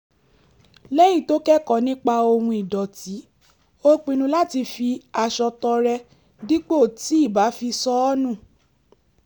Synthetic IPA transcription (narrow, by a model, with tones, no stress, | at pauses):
lɛ˦jĩ˦˨to˦kɛ˦kɔ˨nĩ˦k͡pa˧o˧hũ˧i˨dɔ˨ti˨˦ | o˦k͡pĩ˧nũ˧la˦ti˧fi˧a˧ʃɔ˧tɔ˧ɾɛ˧ | di˦k͡po˦˨ti˨˦i˦˨ba˨˦fi˧sɔ˧˦ɔ˦nũ˦˨